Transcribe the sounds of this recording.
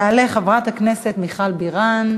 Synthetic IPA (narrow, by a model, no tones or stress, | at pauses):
aleχavʁat̪hakne̞set̪miχalbiʁan